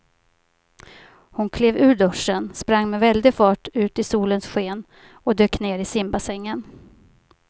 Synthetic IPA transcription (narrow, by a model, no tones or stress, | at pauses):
hʊnkʰleːvʉ̟ːɖɵʂːənspɾaŋːmɛvɛld̪ɪfɑːʈʉ̟ːt̪ɪsuːlənsɧeːn | ɔd̪øːkneːɾɪsɪmbasɛŋːən